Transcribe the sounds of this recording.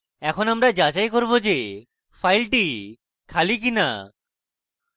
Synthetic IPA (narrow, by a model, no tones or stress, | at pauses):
ɛkʰonamɾad͡ʑad͡ʑajkoɾbod͡ʑe | fʰajlʈi | kʰalik̬ina̰